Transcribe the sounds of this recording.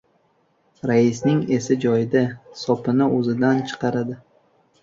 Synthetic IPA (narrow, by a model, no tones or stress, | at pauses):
ɾaɪsnɪŋe̞sɪd͡ʒɒjɪd̪asɒpɪnɪʔozɪd̪ant͡ʃʰɨ̥qʰɑɾad̪ɪ